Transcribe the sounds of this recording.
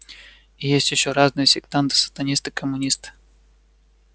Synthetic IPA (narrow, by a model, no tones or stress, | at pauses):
ijesʲtʲjɪɕːoɾaznɨjəsʲɪkt̪ant̪ɨ̥sə̥t̪ɐnʲist̪ɨkəmːʊnʲist̪ɨ̥